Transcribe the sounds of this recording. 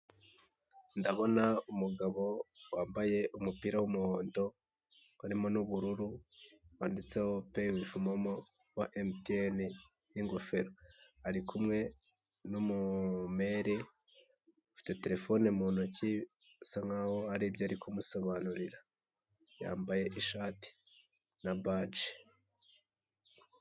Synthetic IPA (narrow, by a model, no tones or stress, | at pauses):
ndaβo̞naumuɡaβo̞waːmbaje̞ʔumupiːɾawumuho̞ːndo̞ | aɾimo̞nuβuɾuɾuwaːndit͡se̞ho̞pewifumomo | waʔemtieni | niŋɡofe̞ɾoaɾikʰumŋe̞ | numume̞ɾi | ufi̥te̞te̞ɾe̞fo̞nemuːnoci | usaŋawo̞aɾiːbjoaɾikʰumuso̞βanuɾiɾa | ja̰ːmbaje̞ʔiʃaːti̥ | nabad͡ʒe̥